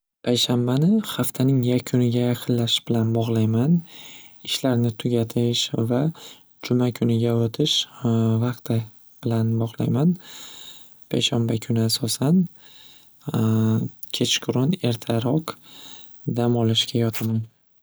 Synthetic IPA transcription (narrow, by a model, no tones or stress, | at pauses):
pʰajʃambanɪχaft̪ʰanɪŋjakʲʰʊnɪɡʲajaqʰɨnlaʃb̥ɪlanbɒʁlˠajman | ɪʃlaɾnɪt̪ʰʊɡʲat̪ʰɪʃva | d͡ʒʊmakʰʊnɪɡʲaot̪ʰɪʃvaqt̪ʰɪ | b̥ɪlanbɒʁlˠa̰jman | pʰajʃambakʲʰʊnɪasɒsan | kʲʰe̞t͡ʃʰkʰʊɾone̞ɾt̪ʰaɾɒq | d̪amɒlˠɪʃɡʲajɒt̪ʰaman